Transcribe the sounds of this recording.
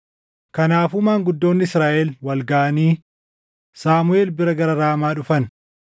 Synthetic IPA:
kɐnaːfʊmaːŋɡʊd̪ːo̞ːnːɪɪsɾaːʔɛlwɐlɡaʔɐniː | saːmʊeːlbɪɾɐɡɐɾɐɾaːmaːᶑʊfɐn

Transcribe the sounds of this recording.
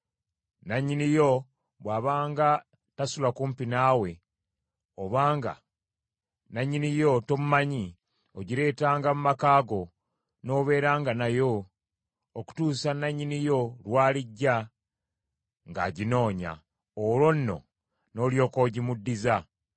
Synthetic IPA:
naɲːinijo̞ | βwaːβaːŋɡa | tasulakuːmpinaːwe̞ | oβaːŋɡa̰ | naɲːinijo̞to̞mumaɲi | oɟiɾe̞ːtaːŋɡamumakaːɡo̞ | no̞ːβe̞ːɾaːŋɡanajo̞ | oku̥tuːsanaɲːinijo̞lwaːliɟːa | ŋɡa̰ːɟino̞ːɲa̰ | olo̞nːo̞̰ | no̞ːljo̞ːko̞ɟimudːiza

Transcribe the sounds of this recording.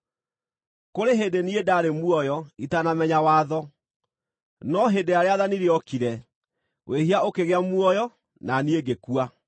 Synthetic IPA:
koɾeɦedeniedaɾemwɔjɔitanamɛɲawaːðɔ | nɔɦedeaɾeaðaniɾeɔkiɾɛ | wʔehiaokeɣeamuɔjɔ | nanieɡekua

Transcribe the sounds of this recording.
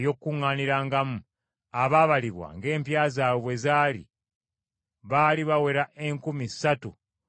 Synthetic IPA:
jo̞kːuŋːaːniɾaːŋɡamu | aβaβaliβwa̰ŋɡe̞ːmpjaːzaːwoβwe̞zaːlḭ | βaːliβawe̞ɾaʔe̞ŋkumisatu

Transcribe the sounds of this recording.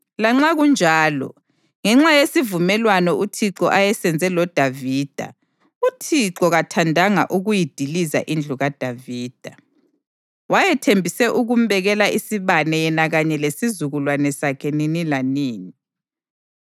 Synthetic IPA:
laŋ͡ǁaɣund͡ʒʱaːlɔ̰ | ŋɛŋ͡ǁajesivumɛlwanɔʔutʰiǃɔʔajɛsɛnd͡zʱɛlɔd̥ʱaviːd̥ʱa̰ | utʰiǃɔɣatʰandʱaŋa̰ʔuɣujid̥ʱiliza̰ʔind͡ɮʱuɣad̥ʱaviːd̥ʱa | wajɛtʰembʱisɛʔuɣum̩bɛɣɛlaʔisiβanɛjɛnaɣaɲɛlesizuɣulwanɛsakʰɛninilaniːni

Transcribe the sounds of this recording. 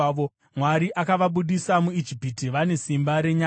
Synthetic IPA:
o | mwaɾiʔakaʋaɓuɗisamuid͡ʒipitiʋane̞simbaɾe̞ɲa

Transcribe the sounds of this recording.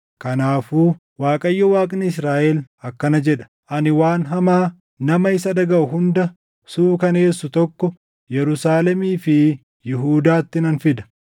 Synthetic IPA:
kɐnaːfuː | waːkʼɐjːɔwaːkʼnɪɪsɾaːʔɛlɐkːɐnɐd͡ʒɛᶑɐ̥ | ʔɐnɪwaːnɦɐmaː | nɐmɐɪsɐd̪ɐɡɐʔʊɦʊnd̪ɐ | suːkɐneːsːʊt̪ɔkːɔ | jɛɾʊsaːlɛmiːfɪ | jɪɦuːd̪aːt̪ːɪnɐnfɪd̪ɐ̥

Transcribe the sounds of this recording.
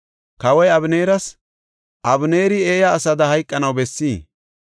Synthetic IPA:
kɐwɔjɐbne̞ːɾɐs | ʔɐbne̞ːɾɪeːjɐːsɐd̪ɐhɐjkʼːɐnɐwbɛsːiː

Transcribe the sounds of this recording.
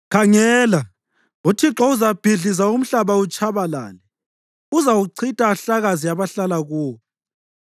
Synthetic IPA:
kʰaŋɛːla | utʰiǁɔuzab̥ʱiɮizaum̩ɬaβaut͡ʃʼaβala̰ːlɛ | uzawuǀʰitʼaːɬaɣaziaβaɬalaɣuː

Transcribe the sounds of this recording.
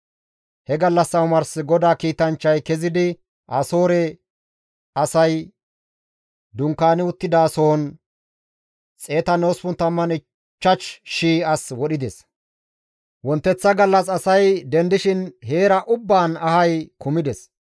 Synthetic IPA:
hɛɡɐlːɐsːɐwʊmɐɾsɪɡɔd̪aːkiːt̪ɐnt͡ʃːɐjkɛzɪd̪ɪ | ʔɐso̞ːɾɛ | ɐsɐj | d̪ʊŋkːaːnɪʊt̪ːɪd̪aːsoɔn | t͡sʼe̞ːt̪ɐnoːspʊnt̪ːɐmːɐnɪ | t͡ʃːɐt͡ʃʃiːɐswɔɗɪd̪ɛs | wɔnt̪ːɛt͡sːɐɡɐlːɐsɐsɐjd̪ɛnd̪ɪʃɪnɦe̞ːɾɐʔʊbːaːnɐhɐjkʊmɪd̪ɛs

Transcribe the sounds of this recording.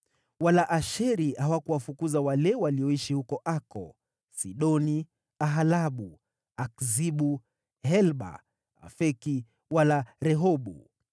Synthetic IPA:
walaʔaʃɛɾihawakuwafukuzawalɛwaliɔiʃihukɔʔakɔ̰ | siɗɔni | aɦalaɓu | akziɓu | hɛlɓa̰ | a̰fɛki | walaɾɛɦɔɓṵ

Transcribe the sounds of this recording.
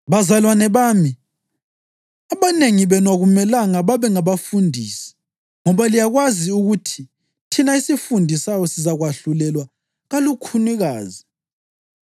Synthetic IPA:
βazalwanɛβaːmi | aβaneŋiβɛnwaɣumɛlaŋaβaβɛŋaβafundʱḭːsi̥ | ŋɔβalijaɣwaziuɣutʰi | tʰinaisifundʱisajɔsizaɣwaɬulɛlwa | ɣalukʰuniɣaːzi

